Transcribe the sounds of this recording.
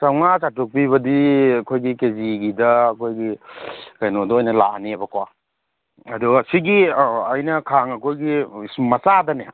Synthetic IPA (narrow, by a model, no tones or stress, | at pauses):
sawŋasatuk̚piβɐdiɐkʰojɡikeziɡidɐɐkʰojɡikajnodɔojnɐla̰niabɐkwa | ɐdusiɡiajnɐkʰaŋɐkʰojɡimɐsadɐne